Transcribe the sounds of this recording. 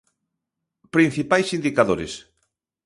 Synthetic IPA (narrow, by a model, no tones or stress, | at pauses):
pɾin̟θipajsind̪ikaðoɾḛs